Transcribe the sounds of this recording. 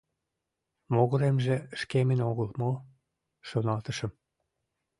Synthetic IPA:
moɣə̆ɾemʒĕʃkemənoɣəlmo | ʃonɑlt̪əʃə̆m

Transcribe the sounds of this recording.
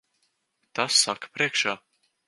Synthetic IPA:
t̪asːakḁpɾiɛkʃaː

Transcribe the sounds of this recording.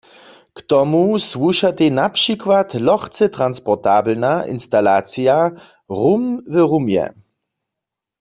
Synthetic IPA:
kt̪ɔmusʋuʃat̪enapʃikwat̪lɔχt͡sɛt̪ʁanspɔʁt̪aːblnaʔḭnst̪alaːt͡sija | ʁumvəʁumjɛ̰

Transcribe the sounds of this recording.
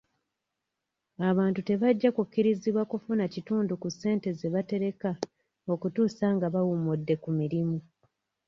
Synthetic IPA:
aβaːntute̞βaɟːakukːiɾiziβwakufunacituːndukusːe̞ːnte̞ze̞βate̞ɾe̞ka | o̞kutuːsaŋɡaβawumudːe̞kumiɾimu

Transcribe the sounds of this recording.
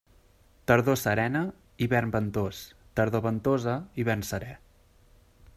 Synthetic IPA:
t̪əɾðosəɾɛnə | iβɛrmbənt̪os | t̪əɾðoβənt̪ozəiβɛrnsəɾɛ

